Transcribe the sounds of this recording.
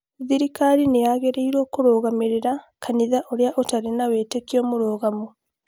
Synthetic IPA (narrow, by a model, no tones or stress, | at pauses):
ðiɾikaɾinejaɣeɾeiɾoːkoɾoːɣameɾeɾakʰaniðaʔoɾeaʔotaɾenaweːtekjomoɾoːɣamo